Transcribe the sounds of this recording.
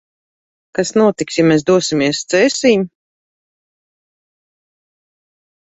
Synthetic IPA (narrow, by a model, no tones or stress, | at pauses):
kasnuɔt̪iksjamɛːsd̪uɔsimiɛst̪sɛːsiːɲ